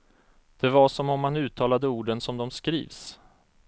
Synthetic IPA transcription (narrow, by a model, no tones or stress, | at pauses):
d̪̥ɛvaʂɔmɔmːanʉ̟ːt̪ʰɑːlad̪əuːɖənsɔmd̪ɔmskɾḭːvs